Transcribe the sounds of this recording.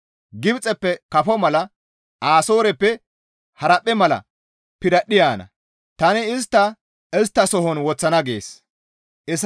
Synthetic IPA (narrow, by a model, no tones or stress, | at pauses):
ɡɪbt͡sʼɛpːɛkɐfɔmɐlɐ | ʔaːso̞ːɾɛpːɛ | hɐɾɐpʼːɛmɐlɐ̰ | pɪɾɐɗɪjaːnɐ̰ | t̪ɐnɪɪs̬t̪ːɐ | ɛs̬t̪ːɐsɔɦɔnwɔt͡sːɐnɐɡḛːs | ʔɪs